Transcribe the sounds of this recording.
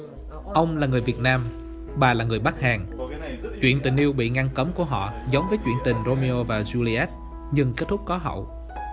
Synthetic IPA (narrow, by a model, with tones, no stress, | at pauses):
ʔə˧wŋ͡mlaː˨˩ŋɨ˨˩əjvi˨˩ət̚naː˧m | ɓaː˨˩laː˨˩ŋɨ˨˩əjɓa˦˥k̚haː˨˩ŋ | t͡ɕwḭ˧˨ənt̪ï˨˩ŋ̟ʔi˧əwɓḭ˧˨ŋa˧ŋkə˨˦mku˧˩əɦɔ̰˧˨zə˨˦wŋ͡mvəː˨˦jt͡ɕwḭ˧˨ənt̪ï˨˩ŋ̟zo˧mi˧o˧vaː˨˩zu˧li˧ʔɛ˦˥t̚ | ɲɨ˧ŋke˦˥t̚t̪ʰʊ˦˥k͡p̚kɔ˨˦ɦə̰˧˨w